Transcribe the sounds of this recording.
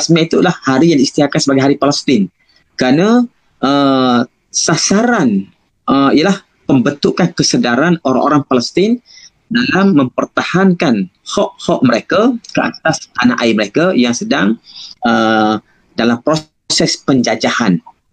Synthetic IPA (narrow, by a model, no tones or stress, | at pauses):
smait̪ulahhaɾijaŋdiːst̪iakansəbaɡajɦaɾipaləst̪ɪn | kəɾana | ʔə | sasaɾan | ʔəijalah | pəmbənt̪ukankəsədaɾanoɾa̰ŋʔoɾaŋpaləst̪ɪn | dalamːə̃mpərt̪ahankanhɔʔhɔʔ̚məɾekakəʔa̰t̪ast̪anaʔaiməɾekajaŋsədaŋə | dalampɾo | sɛspəɲd͡ʒad͡ʒahan